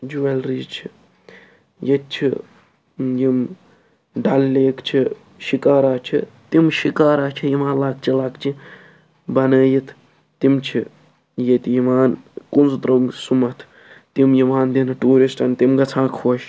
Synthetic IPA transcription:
d͡ʒuʋɐlɾiːzt͡ʃʰi | jet̪̚t͡ʃʰi | jim | ɖɐlleːkt͡ʃʰi | ʃikaːɾaːt͡ʃʰit̪imʃikaːɾaːt͡ʃʰijimaːnlaːk̚t͡ʃʰɐlaːkt͡ʃʰi | bɐnəːjit̪ʰ | t̪imt͡ʃʰi | jet̪jimaːnkunzt̪ɾɐmsumɐt̪ʰ | t̪imjimaːnd̪inɐʈuːɾisʈɐnt̪imɡɐt͡sʰãːkʰoːʃ

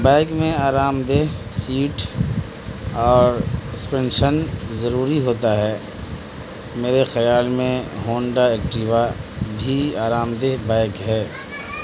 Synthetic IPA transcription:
bɛ̃ːkmẽaːɾaːmd̪eːɦsiːʈ | ɔːɾɪspẽːnɖʃənzəɾuːɾiɦoːt̪aɦɛː | meːɾexɐjaːlmẽɦõːɳɖaeːkʈiːʋabʱiaːɾaːmd̪eːɦbɛɪkɦɛː

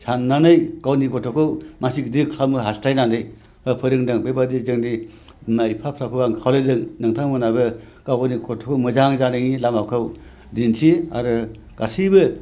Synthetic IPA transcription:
sanːanɯjkawniɡɔtʰɔkʰɯwmasik̚dikʰamɯɦastajnandɯj | hɯpʰɯɾɯŋdɯŋbebadizɯŋdi | majpʰapʰɾakʰɯbaŋkʰawlɯdɯŋnɯŋtʰaŋmɯnabɯ | kawɡɔniɡɔtʰɔkʰɯwmɯzaŋzanɯŋilamawkʰaw | dinsʰia̰ɾɯ | ɡ̥asibɯ

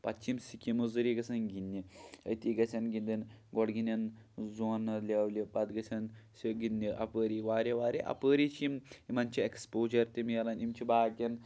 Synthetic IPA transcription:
pɐt͡ʃʰimsikʲimuzɨɾiɡɐsɐnɡinːiɐ̰jt̪iɡɐsʲɐnɡind̪enɡɔɽɡinʲɐn | zonɐlʲeʋlibɐd̪ɡɐsʲɐnsʲiɡinːiʔɐ̰pəːɾiʋaːɾʲeʋaːɾʲiʔɐ̰pəːɾit͡ʃʰimimɐnʲt͡ʃiekspoːd͡ʒɐɾt̪imijɐlɐnimt͡ʃʰibaːɡʲɐn

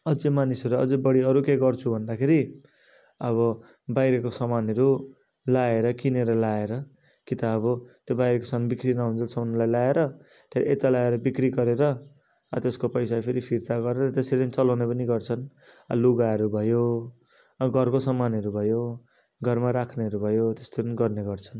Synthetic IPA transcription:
ʌd͡zemanisʌɾuʌ̰d͡zʌbʌɽiʌɾukeɡʌrt͡sʰubʱʌnd̪akʰeɾi | ʌβʌ | bajɾekosʌmanʌɾu | laeɾʌkineɾʌlaeɾʌ | kit̪aːbʌt̪jobajɾekosʌanbikrinʌɦunt͡sʰʌt͡sʰʌunulajlaeɾʌ | t̪ʰeɾ̰ʔet̪alaeɾʌbikriɡʌɾeɾʌ | ʌ̰t̪eskopʌjsapʰeɾipʰiɾt̪aɡʌɾeɾʌt̪eseɾipʌnit͡sʌlawnepʌniɡʌrt͡sʰʌn | ʌ̰luɡaʌɾubʱʌjo | ɡʱʌrkosʌmanʌɾubʱʌjo | ɡʱʌrmaɾakʰneɦʌɾubʱʌjot̪est̪opʌniɡʌrneɡʌrt͡sʰʌn

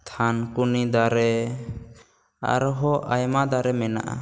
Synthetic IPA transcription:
t̪ʰankunid̪aɾɛ | a̰ɾɦɔʔajmad̪aɾɛmɛna̰ʔa̰

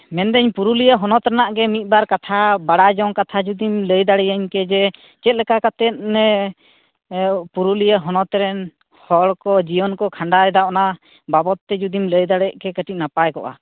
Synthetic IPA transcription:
mɛnd̪ɛɲpuɾulijaɦɔnɔt̪ɾɛnaʔɡɛmit̪̚ˀbaɾkat̪ʰabaɽad͡ʒɔŋkat̪ʰad͡ʒud̪imləjd̪aɽɛjaɲkɛd͡ʒɛ | t͡ʃɛt̪̚ˀlɛkakat̪ɛt̪̚nɛ | puɾulijaɦɔnɔt̪ɾɛn | hɔɽkɔd͡ʒijɔnkɔkʰaɳɖajd̪aʔna | babɔt̪ːɛd͡ʒud̪imləjd̪aɽɛʔkɛkəʈic̚napajkɔʔa̰

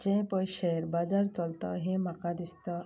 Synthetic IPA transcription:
d͡ʑɛ̃pəjɕɛɾbad͡zaɾt͡səlt̪a̰ɦẽm̤akãd̪ist̪a

